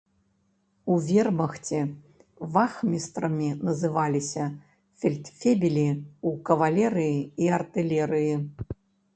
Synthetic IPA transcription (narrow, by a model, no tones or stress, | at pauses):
uvʲɛrmɐxt͡sʲɛ | vaxmʲist̪ɾɐmʲinɐzɨvalʲisʲɐ | fʲɛlʲt̪fʲebʲilʲiukɐvalʲɛɾɨjiiɐrt̪ɨlʲɛɾɨji